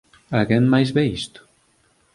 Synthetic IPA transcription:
aɣɛnmajzβɛist̪ʊ̥

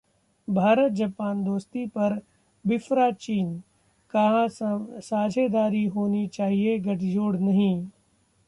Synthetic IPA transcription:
bʱaːɾət̪̚d͡ʒɐpaːnd̪oːst̪ipɐɾ | bɪfɾat͡ʃiːn | kɐɦãsaːd͡ʒʱed̪aːɾiɦoːnit͡ʃaːɦieɡɐʈʰid͡ʒoːɽnɐɦĩ

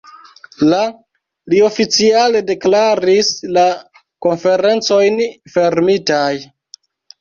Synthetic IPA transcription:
la | lio̞fit͡siale̞de̞klaɾisla | ko̞nfe̞ɾe̞nt͡so̞jnfe̞ɾmitaj

